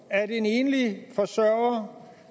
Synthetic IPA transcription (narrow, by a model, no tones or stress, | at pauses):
æɐdene̝ːnlifɒ̽sɶɐɐ